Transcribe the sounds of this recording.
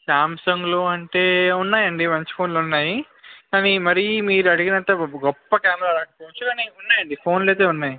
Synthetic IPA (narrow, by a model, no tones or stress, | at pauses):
ʃaːmsɐŋɡloːɐɳʈe̞ːunːaːjɐɳɖimɐɲt͡ʃi̥pʰo̞ːnlːunːaːji | kaːnimɐɾimiːɾuɐɽiɡinɐnt̪ɐɡɔpːɐkaːmɛɾaːɾaːkɐpoːʋut͡ʃːukaːniunːaːjɐɳɖipʰo̞ːnle̞ːt̪eːunːaːji